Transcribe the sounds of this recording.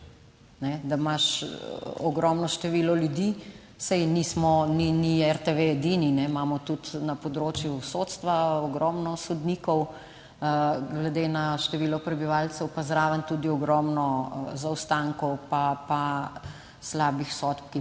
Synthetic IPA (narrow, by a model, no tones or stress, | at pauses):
nɛd̪amaʃ | ɔɡɾɔmnɔʃt̪ɛʋiːlɔljud̪i | sɛjnismɔniniɛɾt̪eʋeɛd̪ininɛmamɔt̪ut̪napɔd̪ɾoːt͡ʃjusot̪st̪ʋaɔɡɾɔmnɔsɔd̪nikɔw | ɡlɛd̪eːnaʃt̪ɛʋiːlɔpɾɛbiʋalt͡s̪ɛwpazɾaːʋənt̪ud̪iɔɡɾɔmnɔzawst̪aŋkɔwpapa | slaːbixsɔt̪p̚ki